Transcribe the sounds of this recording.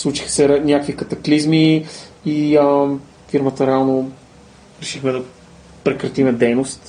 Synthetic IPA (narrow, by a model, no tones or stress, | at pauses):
slˠut͡ʃi̥xə̥sɛɾɛnʲjakvikɐt̪ɐklizmiiə | fiɾmət̪əɾɛalˠno | ɾɛʃixmɛd̪ɐ | pɾɛkɾɐt̪imɛd̪ɛjnost̪